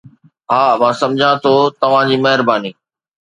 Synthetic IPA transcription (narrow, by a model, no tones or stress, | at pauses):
ɦaːmãːsɐ̃md͡ʑʱãt̪ʰoːt̪ɐʋ̤ãd͡ʑiːmɐɦɪɾbaːniː